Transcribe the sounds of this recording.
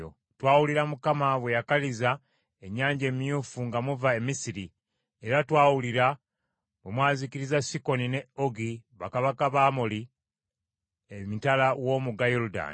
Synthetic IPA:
o̰ | twaːwuliɾamukamaβwe̞jakaliza | eɲːaːɲɟe̞ːmijuːfuŋɡamuvae̞misiɾi | e̞ɾatwaːwuliɾa | βwemwaːzikiɾizasiko̞nine̞oɡiβakaβakaβaːmoli | emitalawo̞muɡajoluda̰ːn

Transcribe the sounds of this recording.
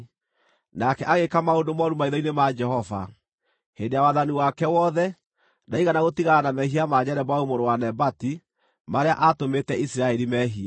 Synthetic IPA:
nakɛʔaɣekamaondomaɾumaiðɔinemad͡ʒɛhɔva̰ | hendejawaðaniwakɛwɔðɛ | naiɣanaɣotiɣaɾanamɛɦiamaɲɛɾɛbaumoɾowanɛbati | maɾeaʔatometɛisiɾaɛɾimɛɦia

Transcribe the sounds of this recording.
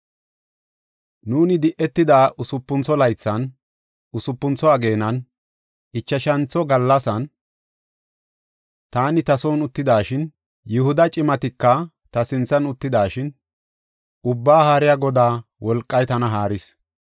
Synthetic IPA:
nuːnɪd̪ɪʔɛt̪ːɪd̪aːʔʊsʊpːʊnt͡sɔlɐjt͡sːɐn | ʊsʊpːʊnt͡sɔɐɡe̞ːnɐn | ʔɪt͡ʃːɐʃɐnt͡sːɔɡɐlːɐsɐn | t̪aːnɪt̪ɐsɔːnʊt̪ːɪd̪aːʃɪn | jʊhʊd̪ɐt͡ʃʼɪmɐt̪ɪkːɐ | t̪ɐsɪnt͡sːɐnʊt̪ːɪd̪aːʃɪn | ʊbːaːhaːɾɪjaɡɔd̪aːwɔlkʼːɐjt̪ɐnɐɦaːɾɪs

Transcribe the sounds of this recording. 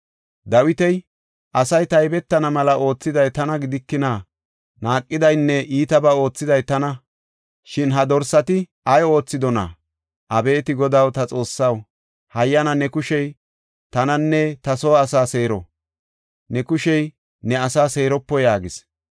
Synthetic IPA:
d̪ɐwɪt̪ɛj | ʔɐsɐjt̪ɐjbɛt̪ːɐnɐmɐlɐʔo̞ːt͡sːɪd̪ɐjt̪ɐnɐɡɪd̪ɪkːɪnaː | naːkʼːɪd̪ɐjnːɛʔiːt̪ɐbɐo̞ːt͡sːɪd̪ɐjt̪ɐnɐ | ʃɪnɦɐd̪ɔɾsːɐt̪ɪ | ɐjo̞ːt͡sːɪd̪ɔna̰ | ʔɐbe̞ːt̪ɪɡɔd̪ɐwt̪ɐt͡sʼo̞ːsːɐw | hɐjːɐnɐnɛkʊʃɛj | t̪ɐnɐnːɛt̪ɐsoːɐsaːse̞ːɾɔ̰ | nɛkʊʃɛj | nɛɐsaːse̞ːɾɔpːɔjaːɡɪs

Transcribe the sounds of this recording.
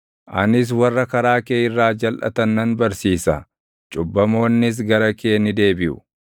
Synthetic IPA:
ʔɐ̰nɪs̬wɐrːɐkɐɾaːkeːɪrːaːd͡ʒɐlʔɐ̰t̪ɐnːɐnbɐɾsiːsɐ̰ | t͡ʃʼʊbːɐmo̞ːnːɪs̬ɡɐɾɐkeːnɪd̪e̞ːbɪʔʊ̥̰

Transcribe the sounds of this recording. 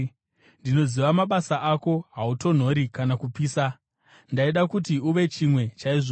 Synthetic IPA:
ndino̞ziʋamaɓasaʔako̞ɦauto̞n̤o̞ɾikanakupiːsa | ndaiɗakutiuʋe̞t͡ʃimwe̞t͡ʃaiʐo

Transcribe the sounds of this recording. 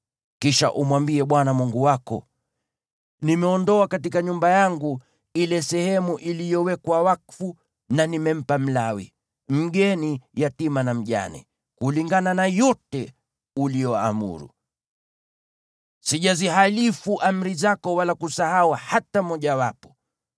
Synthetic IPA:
kiʃa̰ʔumwambiɛɓwanamuŋɡuwakɔ̰ | nimɛɔndɔakat̬ikaɲumbajaŋɡu | ilɛsɛhɛmuʔilijɔwɛkwawakfu | nanimɛm̩pam̩lawḭ | m̩ɠɛnijatimanam̩ʄa̰nḭ | kuliŋɡananajɔtɛ | ulijɔa̰mṵɾṵ | siʄaziɦalifuʔam̩ɾizakɔwalakusahauhatamɔʄawapɔ̥

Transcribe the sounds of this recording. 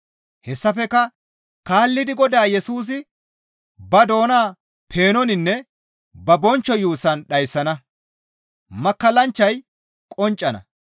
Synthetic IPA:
hɛsːɐfɛkɐ | kaːlːɪd̪ɪɡɔd̪aːjɛsuːs̬ɪ | bɐd̪o̞ːnaː | pʰe̞ːnɔnɪnːɛ | bɐbɔnt͡ʃːɔjuːsɐnɗɐjsːɐnɐ | mɐkːɐlɐnt͡ʃːɐj | kʼɔnt͡ʃʼːɐnɐ̰

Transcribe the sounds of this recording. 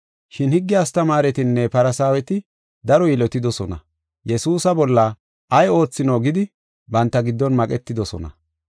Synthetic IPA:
ʃɪnhɪɡːɪjaːst̪ɐmaːɾɛt̪ɪnːɛpɐɾɐsaːwɛt̪ɪ | d̪ɐɾɔjilɔt̪ːɪd̪ɔsɔnɐ̰ | jɛsuːsɐbɔlːɐ | ʔɐjo̞ːt͡sːɪnoːɡɪd̪ɪ | bɐnt̪ːɐɡɪd̪ːɔnmɐkʼɛt̪ːɪd̪ɔsɔ̰nɐ̰

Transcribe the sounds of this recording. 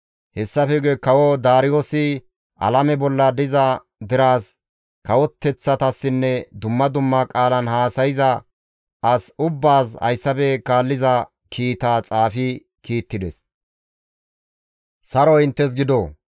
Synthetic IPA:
hɛsːɐfɛɡɛkɐwod̪aːɾɪjosɪ | ʔɐ̰lɐmɛbɔlːɐd̪ɪzɐ | d̪ɪɾaːs | kɐwɔt̪ːɛt͡sːɐt̪ɐsːɪnːɛd̪ʊmːɐd̪ʊmːɐkʼaːlɐnhaːsɐjɪzɐ | ɐsʊbːaːshɐ̰jsːɐfɛkaːlːɪzɐ | kʰiːt̪aːt͡sʼaːfɪ | kiːt̪ːɪd̪ɛs | sɐɾɔɪnt̪ːɛs̬ɡɪd̪o

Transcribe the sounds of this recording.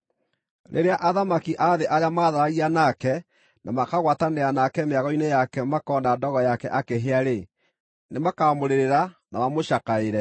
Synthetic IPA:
ɾʔḛɾeaʔaðamakiʔaðeʔaɾjamaːðaɾaɣianakɛ | namakaɣwataneanakɛmeaɣɔinejakɛmakɔːndadɔɣɔjakɛʔakeɦeaɾe | nemakamoɾeɾeɾanamamoʃakaeɾɛ

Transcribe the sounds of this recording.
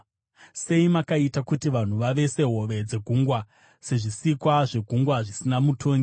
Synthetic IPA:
se̞imakaitakutiʋan̤uʋaʋe̞se̞ɦo̞ʋe̞d͡ze̞ɡʱuŋɡwa | se̞ʐisikwaʐe̞ɡʱuŋɡwaʐisinamutʰo̞ːŋɡi

